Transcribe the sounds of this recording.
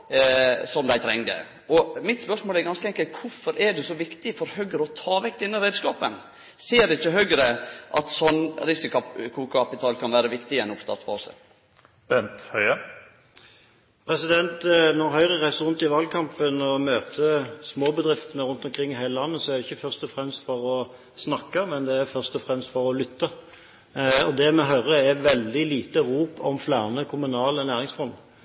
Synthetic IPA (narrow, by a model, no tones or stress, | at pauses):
sɔmd̪æɪt̪ʰɾɛ̰ŋd̪ə̰ | ɔmɪt̪spœʂmoːlɛɾɡɑnskəɛŋkəlt̪kʰʊɾfɔɾɛɖɛsɔʋɪkt̪ɪfɔɾhœɡəɾəɔt̪ʰɑːʋɛk̚d̪ɪnːɑɾeːd̪skɑːpə̰n | seːd̪ɛɪçːəɦøɡəɾəʔɑ̰t̪sɔnːɾɪsɪkkʰuːkɑpɪt̪ʰɑːlkʰɑnʋæːɾəʋɪkt̪ɪɛnɔft̪ɑ̰t̪fɑ̰ːsə̰ | b̥ɛnt̪hœʏə | pʰɾɛsɪd̪ɛnt̪nɔɾɦœʏʁəʁæɪsəɾʁʉnt̪ɪʋɑld̪̚kʰɑmpənɔmøːt̪ʰəsmoːbəd̪ɾɪft̪ənəɾʉnt̪ɔmkʰɾɪŋːɪɦæɪləlɑnːəsɔɛɾd̪ɛɪçːəfœʁʂt̪ɔfʁɛmst̪fɔɾɔ | snɑkːəmɛnd̪ɛæɾfœʁst̪ɔfʁɛmst̪fɔɾɔlʏt̪ːə | ɔd̪ɛmɛɦœʏɾəæʋɛld̪ɪliːt̪əɾuːpɔ̰mflæːʁnəkʰʊmʉnɑːlənæːʁɪŋsfɔnd̪